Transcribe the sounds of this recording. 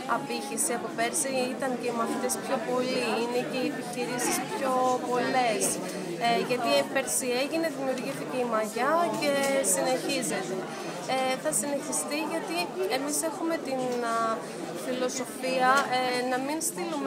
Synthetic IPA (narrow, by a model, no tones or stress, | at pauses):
ɐpiçisiɐpope̞ɾsiit̪ɐnce̞imɐθit̪espço̞po̞liine̞ce̞iepiçiɾisispço̞po̞le̞s | eʝɐt̪ipe̞ɾsieʝine̞ðimiuɾʝiθice̞imɐʝɐce̞sine̞çize̞t̪e̞ | eθɐsine̞çist̪iʝɐt̪ie̞mise̞xume̞t̪in | filo̞so̞fiɐnɐminst̪ilum